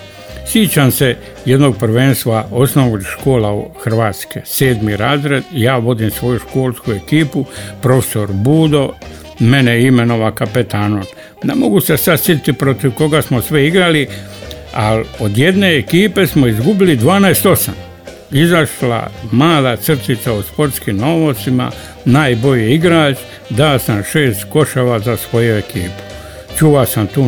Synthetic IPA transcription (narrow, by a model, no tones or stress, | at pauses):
sjit͡ʃamse̞ | je̞d̪no̞ɡ̚prɾʋeːnst̪ʋao̞snoʋɡʃko̞ːlauxr̩ʋaːt̪skeseːd̪miɾaːzɾed̪jaːʋo̞d̪imsʋo̞juʃko̞ːlˠskue̞kiːpupɾo̞fe̥so̞ɾbuːd̪o̞ | me̞neime̞no̞ʋakapet̪ʰanon | nemo̞ɡusesad̪sjet̪it̪ipɾo̞t̪iʋko̞ɡasmosʋɛiɡɾali | alod̪je̞d̪ne̞ːkiːpe̞smoizɡubilid̪ʋaːnɛest̪o̞sa̰m | izaʃla̰maːd̪at̪sr̩t̪it̪sauspo̞ɾt̪skimnoːʋot̪sima̰ | naːjbo̞ʎiiɡɾaːt͡ʃ | d̪asamʃe̞ːst̪ko̞ʃaʋazasʋo̞juekiːpu̥ | t͡ʃuʋasamt̪uː